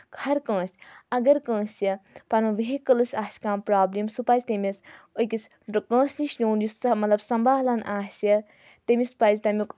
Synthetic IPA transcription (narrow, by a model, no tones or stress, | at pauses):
kʰɐɾkə̃ːsʲɐɡɐɾkə̃ːsjɐpɐnũʋeɦikɐlɨsʲaːsʲkãːmpɾaːblimsupɐzʲt̪emʲisɨkʲis | kə̃ːsʲniʃnʲoːnjusmɐt̪lɐbsɐmbaːɦlanʔaːsjɐ | t̪ɐmʲispɐzʲt̪ɐmik